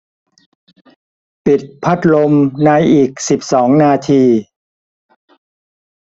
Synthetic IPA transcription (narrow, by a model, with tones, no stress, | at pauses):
pi˨˩t̪̚pʰa˦˥˩t̪̚lo˧mna˧jʔiː˨˩k̚si˨˩p̚sɔː˩˦ŋnaː˧t̪ʰiː˧